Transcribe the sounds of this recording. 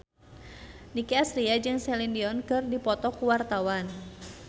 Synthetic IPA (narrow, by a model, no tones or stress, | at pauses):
nikiasɾiad͡ʒɨŋsɛlindiɔnkɨrdipɔt̪ɔkuwart̪awan